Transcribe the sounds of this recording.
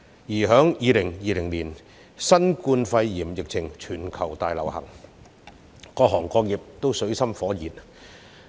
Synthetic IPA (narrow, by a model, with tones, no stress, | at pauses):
jiː˨˩ɦœː˨˥ŋjiː˨˧lɪ˨˩ŋjiː˧lɪ˨˩ŋliː˨˩n | sɐ˥nkuː˧nfɐ˧jːiː˨˩mjɪ˨k̚t͡sʰɪ˨˩ŋt͡ʃʰyː˨˩nkʰɐ˨˩wt̪aː˧jlɐ˨˩whɐ̰˨˩ŋ | kɔː˧ɦɔː˨˩ŋkɔː˧k̚jɪ˨p̚t̪o˥wsɵ˨˥ɥsɐ˥mfɔː˨˥jiː˨˩n